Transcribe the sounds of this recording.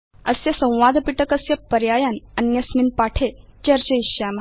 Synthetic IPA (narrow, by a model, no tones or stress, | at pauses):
əsjəsə̃w̃ʋad̪ʱpiʈəkəsjəpəɾjajanənjəsminpaʈʰet͡ɕəɾt͡ɕəiɕam